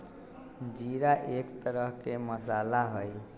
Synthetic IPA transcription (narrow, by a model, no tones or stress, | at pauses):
d͡ʒiɾaʔekt̪əɾəɦkeməsalaɦoj